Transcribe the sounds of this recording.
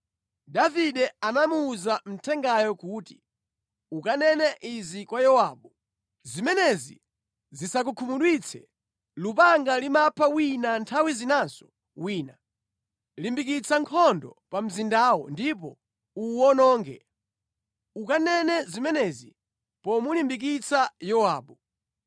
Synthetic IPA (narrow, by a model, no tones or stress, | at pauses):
daviɗɛanamuːzam̩tʰɛŋɡajɔkuːti̥ | ukanɛnɛʔizikwajɔwaːɓu | zimɛnɛzḭ | zisak̬ukʰumuɗwit͡sʰɛ̰ | lup̬aŋɡalimapʰawinantʰawizinazɔ̥ | wiːna | limbikit͡sʰaŋkʰɔndɔ̰pam̩zindaːwɔ̰ndip̬ɔ̰ | uwɔnɔːŋɡɛ̰ | ukanɛnɛzimɛnɛzi | pɔmulimbik̬it͡sʰajɔwaːɓu